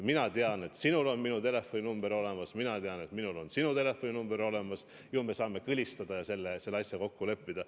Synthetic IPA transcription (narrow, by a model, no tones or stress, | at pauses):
minɑt̪eɑne̞t̪sinulo̞nminut̪e̞le̞fːo̞nʲinumb̥eɾo̞le̞mɑsminɑt̪eɑne̞t̪minulonsinut̪e̞le̞fːo̞nʲinumbeɾo̞le̞mɑs | jume̞sɑːme̞kɯlʲist̪ɑd̪̥ɑjɑse̞lːese̞lːeɑsʲjɑko̞kːule̞pːid̪̥ɑ